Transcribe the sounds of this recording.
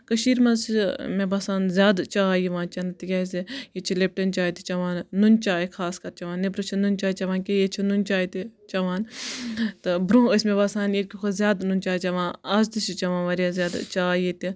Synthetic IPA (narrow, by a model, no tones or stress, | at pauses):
kɐʃiːɾmɐsmebasaːnzʲjaːd̪t͡ʃaːjiʋãːnt͡ʃɐnt̪ikʲɐːsijet͡ʃʰilep̚ʈɐnt͡ʃaːit̪it͡ʃɐʋaːnːunt͡ʃaːikʰaːskɐɾt͡ʃɐʋaːnːebɾut͡ʃʰinunt͡ʃaːit͡ʃɐʋãːnkʲejet͡ʃʰinunʲt͡ʃaːit̪it͡ʃɐʋaːn | t̪ɨbɾũːəsʲmebasaːnjekʲikʰozʲjaːd̪nunʲt͡ʃaːit͡ʃɐʋãːnɐzt̪isit͡ʃɐʋãːʋɐɾʲjaːzjaːd̪t͡ʃaːjit̪i